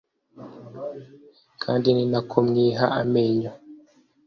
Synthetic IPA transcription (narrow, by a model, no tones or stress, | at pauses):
kʰaːndininakʰomɲiːɦaʔameːɲo